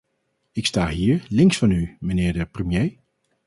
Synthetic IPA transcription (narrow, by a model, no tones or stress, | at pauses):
ɪkstaːɦiːɹlɪŋsfɑnymənɪːɹdəprəmjej